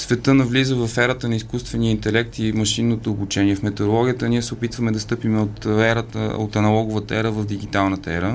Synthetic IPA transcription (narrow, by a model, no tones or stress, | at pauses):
svɛt̪ɤnɐvlizəvɐfɛɾət̪ənɐiskust̪vɛnijəint̪ɛlɛk̚t̪imɐʃinːot̪oːbut͡ʃɛniɛfmɛt̪odɾolˠɔɡʲijət̪əniɛsɛopit̪vəmɛd̪ɐst̪ɤpimot̪ɛɾət̪ə̰o̰t̪ɐnɐlˠɔɡʊvət̪əɛɾəvɐfd̪iɡ̟it̪alˠnət̪ɐɛɾə